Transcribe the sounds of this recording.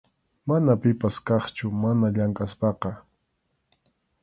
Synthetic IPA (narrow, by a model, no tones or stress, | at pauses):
manapɪpaskɑχt͡ʃʊmanaʎaŋkʼaspɑqɑ